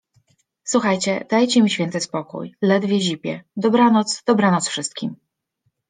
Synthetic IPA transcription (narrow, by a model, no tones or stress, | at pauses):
swuxajt͡ɕɛ̰d̪̥ajt͡ɕɛmʲiɕfʲjɛnt̪ɘspɔkṵjlɛd̪vʲjɛʑipʲjɛ̰d̪ɔbɾanɔt̪sd̪̥ɔbɾanɔt̪sfʂɘst̪̚kʲim